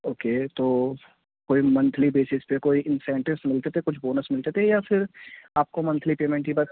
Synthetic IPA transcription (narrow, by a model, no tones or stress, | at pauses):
oːkeːt̪oː | koːimɐ̃nt̪ʰlibeːsɪspekoːiʔɪnsɛ̃ːɳʈɪʋsmɪlt̪et̪ʰekʊt͡ʃʰboːnəsmɪlt̪et̪ʰejafʰɪɾaːp̚komɐ̃nt̪ʰlipeːmẽːɳʈiba